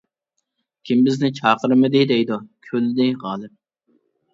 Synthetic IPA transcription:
kʲʰimbɪznɪt͡ʃʰɑːqəɾɨmɪd̪ɪd̪ɛjd̪ukʲʰølɪd̪ɪʁɑːlˠɨp̚

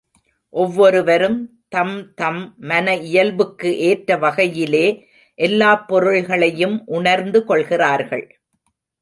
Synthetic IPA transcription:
ʔɔʋːɔɾɯʋɐɾɯm | t̪ɐmt̪ɐmːɐnɐɪjɐlbɯkːɯʔeːʈɾɐʋɐɣɐjɪleː | ʔɛlːaːpːɔɾɯɭɣɐɭɐjɯmʔʊɳɐɾnd̪ɯkɔɭɣɪraːɾɣɐ̰ɭ

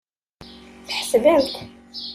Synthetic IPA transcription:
θħsvæmθ

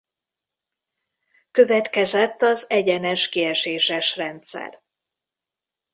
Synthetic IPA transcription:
kø̞vɛt̪kɛzɛt̪ːɒzɛɟɛnɛʃkiɛʃeːʃɛʃrɛnt̪sɛ̰r

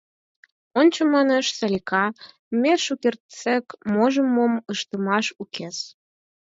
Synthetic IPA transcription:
onʲt͡ɕomɑneʃsɑlʲikɑ | meʃukert̪t͡sekmoʒəmːoməʃt̪əmɑʃukʰes

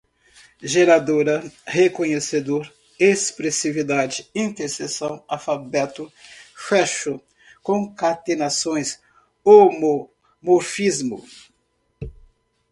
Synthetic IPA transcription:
ʒeɾad̪oɾɐhekõɲesed̪oɾ | espɾesivid̪ad͡ʒɪĩnt̪eɾsesɐ̃w̃afabɛt̪ʊfɛʃʊ | kõkat̪enasõj̃s | omo | moɾfizmʊ

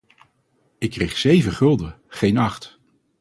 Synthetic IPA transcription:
ɪkːrejχsejvəχɵlˠdə | χejnɑχt

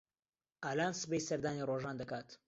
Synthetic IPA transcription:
ʔaːlaːnsɨpejsɐɾd̪aːniroʒaːnd̪ɐkaːt̪

